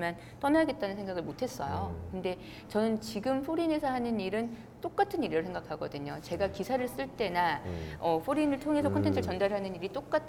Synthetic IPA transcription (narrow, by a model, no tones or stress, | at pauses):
man | t͈ʌnaaɡe̞t̚t͈anɯnsʰeŋɡaɡɯɭmotʰe̞s͈ʌ̰jokɯnde̞ | t͡ɕʌnɯnt͡ɕiɡɯmpʰoɾine̞sʰʌɦanɯniɾɯn | t͈ok͈atʰɯniɾiɾɯsʰe̞ŋɡakʰaɡʌdɯɲot͡ɕe̞ɡakisʰaɾɯɭs͈ɯɭt͈e̞naʌpɸʰoɾinɯɭtʰoŋe̞sʰʌkʰʌntʰentʰɯɭt͡ɕʌndaɾɯɭɦanɯniɾit͈ok͈̚atʰ